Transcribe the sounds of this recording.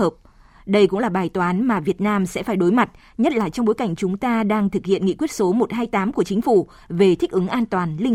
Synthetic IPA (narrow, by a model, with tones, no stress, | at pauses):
əː˨˩p̚ | ɗə˧jkʊ̰˧˥ŋ͡mlaː˨˩ɓaː˨˩jt̪waː˨˦nmaː˨˩vi˨˩ət̚naː˧msɛ̰˧˥faː˧˩jɗo˨˦jma˨˩t̚ | ɲə˦˥t̚laː˨˩t͡ɕɔ˧wŋ͡mɓo˨˦jka˧˩jŋ̟t͡ɕʊ˨˦ŋ͡mt̪aː˧ɗaː˧ŋt̪ʰɨ˨˩k̚hḭ˧˨ənŋḭ˧˨kwət̚so˨˦mo˨˩t̚haː˧jt̪aː˨˦mku˧˩ət͡ɕï˨˦ŋ̟fu˧˩ | ve˨˩t̪ʰi˦˥k̟̚ʔɨ˨˦ŋʔaː˧nt̪waː˨˩nlï˧